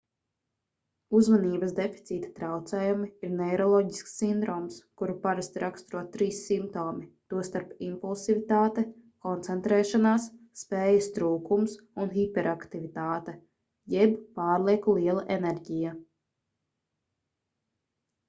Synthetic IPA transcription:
uzmaniːbɐsd̪efi̥t̪siːt̪ḁt̪ɾawt̪sɛːjumiiɾnɛjɾɔlˠɔːɟisksːind̪ɾɔːmskuɾupaɾast̪ɾakst̪ɾuɔt̪t̪ːɾiːsːimpt̪oːmit̪uɔst̪aɾpimpulˠsivit̪aːt̪ɛkɔnt̪sɛnt̪ɾɛːʃanaːsː | pɛːjɐst̪ɾuːkums | unɦipɛɾakt̪ivit̪aːt̪ɛ | jɛbpaːɾlˠiɛkulˠiɛlˠaʔenɛɾɟija

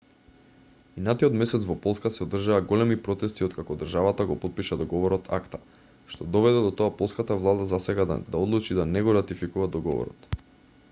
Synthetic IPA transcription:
inat̪iɔt̪mɛsɛt̪svɔpɔlˠskasɛod̪r̩ʒaːɡɔlɛmipɾɔt̪ɛst̪iot̪kakɔd̪r̩ʒavat̪aɡɔpɔt̪̚piʃad̪ɔɡɔvɔɾɔt̪ʰa̰kt̪a | ʃt̪ɔd̪ɔvɛd̪ɛd̪ɔt̪ɔapɔlˠskat̪avlˠad̪azasɛɡa̰d̪aɔd̪lˠut͡ʃid̪anɛɡɔɾat̪ifikuvad̪ɔɡɔ̰vɔ̰ɾɔ̰t̪

